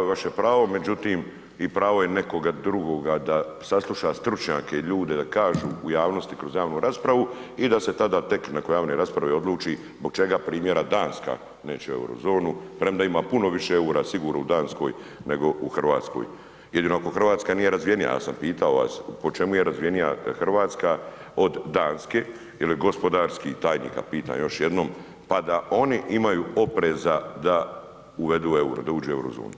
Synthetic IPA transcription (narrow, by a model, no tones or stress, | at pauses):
aʋaʃepɾaːʋo̞me̞d͡ʒut̪iːm | ipɾaːʋo̞jene̞ko̞ɡad̪ɾuɡo̞ɡad̪asaslˠuʃast̪ɾut͡ʃɲa̰ːkeiʎuːd̪e̞d̪akaːʒuːjaːʋno̞st̪ikɾo̞zjaːʋnuɾaspɾaʋu | id̪ase̞t̪ad̪at̪e̞knakojaːʋno̞jɾaspɾaʋio̞d̪lˠuːt͡ʃi | zboɡ̚t͡ʃe̞ɡapɾiːmje̞ɾad̪aːnska̰ː | ne̞ːt͡ʃɛe̞̰wɾo̰zo̞ːnupɾemd̪aimaːpuno̞ʋiʃeeuɾasiɡuːɾnoud̪aːnsko̞̰j | ne̞ɡo̞uxr̩ʋaːt̪sko̞̰j | jed̪inoakoxr̩ʋaːt̪skaniːje̞ɾazʋijenija̰ja̰ːsampiːt̪aoʋa̰spo̞t͡ʃe̞muje̞ɾazʋije̞nija̰xr̩ʋaːt̪ska | o̞d̪ːaːnske | jiliɡo̞spo̞d̪aːɾskit̪aːjnḭːka̰piːt̪a̰ːmjo̞ʃjed̪no̞ːm | pad̪aʔo̞niʔimajuo̞pɾeːzad̪a | uʋe̞d̪ue̞uɾa̰d̪auːd͡ʒue̞wɾo̰zo̰ːnu